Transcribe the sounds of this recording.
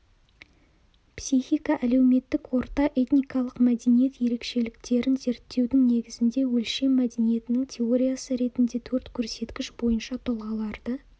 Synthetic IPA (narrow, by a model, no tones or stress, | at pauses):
psiχijkɑʔæle̞wme̞t̪ːɪkwo̞ɾt̪ɑʔe̞t̪nijkɑlˠəqmæd̪enije̞t̪je̞ɾe̞kʃe̞lɪk̚t̪e̞ɾɪnze̞ɾt̪ʰːe̞wd̪ɪŋne̞ɡʲɪzɪnd̪e̞wɵlʃe̞mːæd̪e̞nije̞t̪ɪnɪŋt̪ʲʰe̞o̞ɾʲijasəɾe̞t̪ɪnd̪e̞t̪ʰɵɾt̪kʲʰɵɾse̞t̪kʲɪʃbo̞jənʃɑt̪ʰolˠʁɑlˠɑɾd̪ə